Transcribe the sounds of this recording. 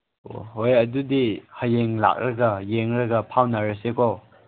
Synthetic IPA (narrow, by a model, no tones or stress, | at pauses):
o̰ɦojɐdudihajeŋla̰k̚ɾɐɡɐjeŋɾɐɡɐpʰawnaɾesekʰɔ